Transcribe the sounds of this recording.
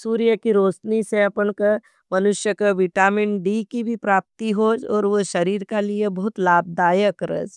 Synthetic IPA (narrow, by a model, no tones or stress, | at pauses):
suːɾijəkiɾoːsniseɐpəɳkə | mɐnʊʃjəkəʋɪʈaːmɪɳɖikibʱipɾaːp̚t̪iɦoːd͡ʒɔːɾʋoʃɐɾiːɾkaliebɐɦʊt̪laːb̚d̪aːjəkɾə̰d͡ʒ